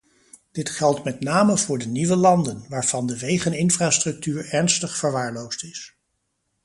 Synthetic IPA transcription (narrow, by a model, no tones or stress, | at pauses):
d̥ɪtχɛlˠtmɛtnaːməvʊːɹdəniʋəlɑndənʋaːɹv̥ɑndəʋejχənɪnfraːstrɵk̚tyːɹɛɹnstəχfəɹʋaːɹlowstɪs